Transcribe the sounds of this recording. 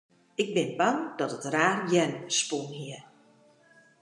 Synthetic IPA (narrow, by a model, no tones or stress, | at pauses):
ɪɡ̚bɪnbaŋdɔtətraːrjɛnspunɦiə